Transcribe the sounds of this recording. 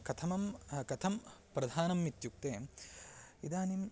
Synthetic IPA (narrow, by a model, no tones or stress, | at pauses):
kɐt̪ʰɐmɐmkɐt̪ʰɐmpɾɐd̪ʱaːnɐmːit̪juk̚t̪eːm | id̪aːnim